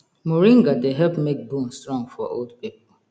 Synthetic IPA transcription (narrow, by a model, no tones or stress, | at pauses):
muɹĩŋɡadeɦɛlpmek̚bũnstɹɔ̃ŋfɔ̰ʔo̰ldpipl̩